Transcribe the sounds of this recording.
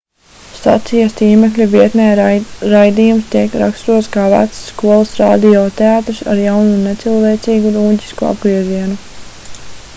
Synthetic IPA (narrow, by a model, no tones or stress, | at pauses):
sa̰t̪sijast̪iːmeklʲuviɛt̪nɛːɾajd̪iːjumst̪iɛkɾa̰kst̪uɔt̪skaːvæ̰t̪sːkuɔlˠasɾa̰ːd̪ijɔːt̪eaːt̪ɾisa̰ɾjawnunet̪silˠveɛːt̪siːɡuɾuːɲɟʲi̥skua̰bɡɾiɛziɛnu